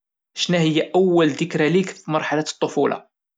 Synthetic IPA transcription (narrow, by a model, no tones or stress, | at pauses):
ʃnæhəjːæʔæwːəld̪əkɾælikfimɑɾˤħalat̪ˤːofulʔɑ̰